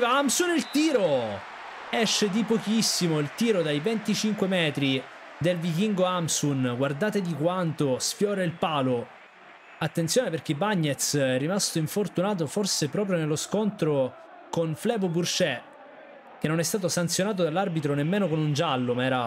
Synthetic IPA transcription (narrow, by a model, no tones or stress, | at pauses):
vaamsunilt̪iːɾo | ɛʃːed̪ipok̟isːimoilt̪iːɾod̪ajvent̪it͡ʃiŋkwemɛːt̪ɾi | d̪elvik̟iŋɡoamsunɡward̪aːt̪ed̪ikwant̪osfjɔːɾeilpaːlo | at̪ːent̪sjoːneperk̟ebaɲːet̪sɛrːimast̪oiɱfort̪unaːt̪̬oforsepɾɔːp̬ɾjonelːoskont̪ɾo | konflɛːboburt͡ʃɛ | k̟enːonɛst̪aːt̪osant̪sjonaːt̪̬od̪alːarbit̪ɾonemːeːnokonund͡ʒalːomaɛːɾa